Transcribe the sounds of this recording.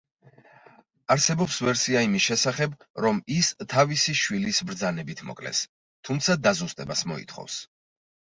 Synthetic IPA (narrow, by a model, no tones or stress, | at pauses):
aɾsɛbɔpsvɛɾsiaimisʃɛsaχɛbɾɔmist̪ʰavisiʃwilisbɾd̪zanɛbit̪ʰmɔ̰kʼlɛ̰s | t̪ʰumt̪sʰad̪azust̪ʼɛbasmɔ̰ḭt̪ʰχɔ̰fs